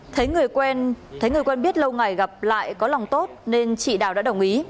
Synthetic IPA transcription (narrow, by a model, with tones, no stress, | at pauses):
t̪ʰə˨˦jŋɨ˨˩əjkwɛ˧nt̪ʰə˨˦jŋɨ˨˩əjkwɛ˧nɓi˦˥ət̚lə˧wŋa˨˩jɣa˨˩p̚la̰ː˧˨jkɔ˨˦la˨˩wŋ͡mt̪o˦˥t̚ne˧nt͡ɕḭ˧˨ɗaː˨˩wɗa̰ː˧˥ɗə˨˩wŋ͡mʔi˨˦